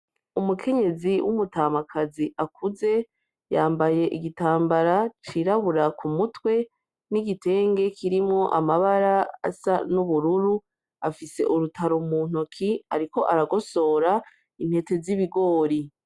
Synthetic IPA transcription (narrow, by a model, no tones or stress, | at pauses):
umukʰe̞ɲe̞ziwʔṵmutaːmakʰaziʔakʰuze̞ | jaːmbaje̞ʔiɡitaːmbaɾat͡ʃiɾaβuɾakʰumutwe̞ | niɡite̞ːŋɡe̞kʰiɾimŋo̞ʔamaβaɾaa̰sanuβuɾuɾu | afise̞̰ʔuɾutʰaɾomuːn̥okʰiaɾiko̞ʔaɾaɡo̞so̞ːɾa | in̥he̞te̞ziβiɡo̞ːɾi